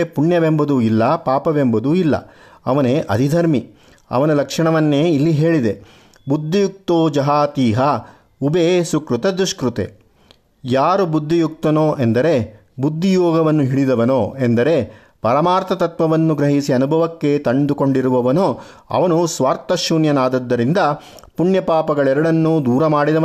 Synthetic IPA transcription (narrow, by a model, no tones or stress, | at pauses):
puɳjɐʋembɐd̪uilːɐpaːpɐʋembɐd̪uilːɐ̰ɐ̰ʋɐneːʔɐ̰d̪ʱid̪ʱɐɾmi | ɐ̰ʋɐnulɐkʂɐɳɐʋɐnːeːilːiɦe̞ːɭid̪e̞ | bud̪ʱːijuk̚t̪oːd͡ʒɐɦaːt̪iːɦɐ | ubeːsukɾut̪ɐd̪ɾuʂkɾut̪ḛ | jaːɾubud̪ʱːijuk̚t̪ɐnoːʔend̪ɐɾe̞ | bud̪ʱːijɔːɡɐʋɐnːuɦiɭid̪ɐʋɐnoːend̪ɐɾe̞ | pɐɾɐmaːɾt̪ʰɐt̪ɐt̪ʋɐʋɐnːuɡɾɐɦisiɐnubʱɐʋɐkːe̞t̪ɐɳɖ̪uko̞ɳɖiɾuʋɐʋɐnoː | ɐ̰ʋɐnusʋaːɾt̪ɐʃuːnjɐnaːd̪ɐd̪ːɐɾind̪ɐ | puɳjɐpaːpɐɡɐɭɛɾɐɽɐnːud̪uːɾɐmaːɽid̪ɐʋ